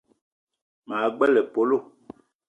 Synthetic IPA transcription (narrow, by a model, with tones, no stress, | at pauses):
maː˨ɡ͡bɛ˦lɛ˨po˨˦lo˦˨